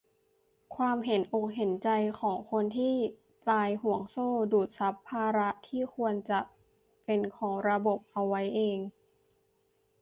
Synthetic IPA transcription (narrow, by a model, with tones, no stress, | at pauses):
kʰwaː˧mɦe˩˦nʔo˨˩k̚ɦe˨˩˦nt͡ɕa˧jkʰɔː˩˦ŋkʰo˧nt̪ʰiː˥˩ | p̪laː˧jɦu˩˦əŋsoː˥˩duː˨˩t̪̚sa˦˥pʰːaː˧ɾa˦˥t̪ʰiː˥˩kʰu˧ənt͡ɕa˨˩ʔ | pe˧nkʰɔː˩˦ŋɾa˧bo˨˩p̚ʔa˧wːa˦˥jʔeː˧ŋ